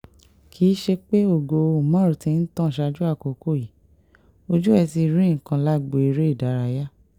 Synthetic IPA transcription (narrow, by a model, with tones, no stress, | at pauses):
kʰi˨˦ʃe˧k͡pe˦o˦˨ɡo˧o˨mã˦ɾu˨tĩ˧n̩˦tã˦˨ʃa˧d͡ʒu˦a˦˨ko˨ko˦˨ji˨˦ | o˧d͡ʒu˦ɛ˧ti˧ɾĩ˦˨kã˧la˦˨ɡ͡bo˨i˨˧ɾe˦i˦˨da˨˦ɾa˧ja˦